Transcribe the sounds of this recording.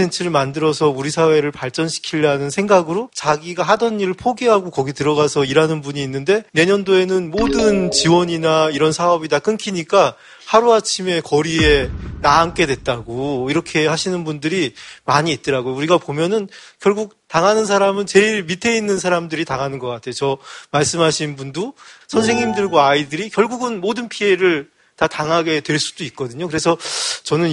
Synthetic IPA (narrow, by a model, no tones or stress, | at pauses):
entʰɯɾɯɭmandɯɾʌsʰʌuɾisʰawe̞ɾɯɭpaɭt͡ɕ͈ʌnɕʰi̥kʰiʎːanɯnsʰe̞ŋɡaɡɯɾot͡ɕaɡiɡaɦadʌnːiɾɯɭpʰoɡiɦaɡokʌɡitɯɾʌɡasʰʌiɾanɯnbuɲiːnːɯnde̞ne̞ɲʌndoe̞nɯnmodɯnt͡ɕiwʌɲinaiɾʌnsʰaʌbidak͈ɯnkʰiɲik͈a | haɾuat͡ɕʰime̞kʌɾie̞naːnk͈e̞dwe̞t̚t͈aɡoiɾʌkʰe̞haɕʰinɯnbundɯɾimaɲiːt̚t͈ɯɾaɡojouɾiɡapomjʌnɯnkjʌɭɡuk̚taŋɦanɯnsʰaɾamɯnt͡ɕe̞iɭmitʰe̞inːɯnsʰaɾamdɯɾitaŋɦanɯnɡʌk͈atʰe̞jot͡ɕʌmaɭs͈ɯmɦaɕʰinbundosʰʌnsʰeŋɲimdɯɭɡwaaidɯɾikjʌɭɡuɡɯnmodɯnpʰie̞ɾɯɭ | tataŋɦaɡe̞twe̞ɭs͈u̥doit̚k̚k͈ʌdɯɲokɯɾe̞sʰʌt͡ɕʌnɯn